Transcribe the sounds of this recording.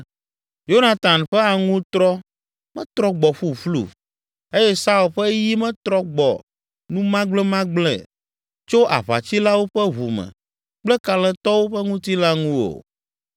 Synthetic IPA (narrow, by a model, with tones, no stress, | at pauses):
jo˦na˨t̪a˨nɸɛ˦a˨ŋũ˦t̪ɾɔ˦ | mɛ̰̃˦t̪ɾɔ˦ɡ͡bɔ˨ɸu˦˨flṵ˦˨ | e˦jɛ˦sa˦u˨lɸɛ˦ji˦mɛ̃˦t̪ɾɔ˦ɡ͡bɔ̰˨ | nũ˦mã˦ɡ͡blɛ˦mã˦ɡ͡blɛ̰˨ | t͡ʃo˦ʔa̰˨βa̰˨t͡ɕi˦la˦wo˦ɸɛ˦ɦu˨mɛ̰˨ | k͡plɛ˦ka˨lɛ̃˦t̪ɔ˦wo˦ɸɛ˦ŋũ˦t̪i˦la˦ŋũ˦o̰˨